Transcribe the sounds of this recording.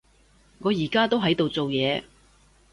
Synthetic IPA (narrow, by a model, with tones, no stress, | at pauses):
ŋɔː˨˧jiː˨˩kaː˥t̪o˥wɦɐ˨˥jt̪o˨wt͡so˨wjɛː˨˧